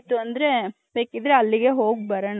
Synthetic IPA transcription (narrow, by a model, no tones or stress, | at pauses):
t̪ːuɐnd̪ɾe̞ | beːkid̪ɾeɐlːiɡe̞ɦo̞ːɡ̚bɐɾɐɳɐ